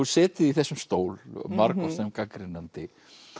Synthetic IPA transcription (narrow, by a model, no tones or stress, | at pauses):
usɛːt̪ɪðiθɛsːʏmst̪oːwlmaɾkɔsɛmkakɾɪnːant̪ɪ